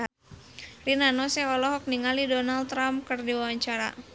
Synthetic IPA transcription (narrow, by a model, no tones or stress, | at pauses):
rinanɔsɛɔlɔɦɔk̚niŋalidɔnalt̪ːɾamkərdiwawaɲt͡ʃaɾa̰